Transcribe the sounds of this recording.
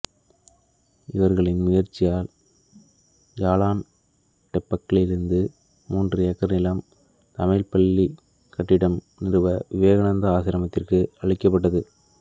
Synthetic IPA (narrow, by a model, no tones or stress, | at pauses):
ɪʋɐɾɣɐɭɪnmʊjɐɾt͡ʃːɪjaːl | jaːɭaːn | ʈɛpːɐkːɐɭɪɾɯnd̪ɯ | muːndrɐjɛkːɐɾnɪlɐm | t̪ɐmɐɪlpɐɭːi | kɐʈːɪɽɐm | nɪɾɯʋɐʋɪʋeːɣɐɳɐnd̪ɐaːsɪɾɐmɐt̪ːɪrkɯɐɭɪkːɐp̬ːɐʈ̬ːɐðɯ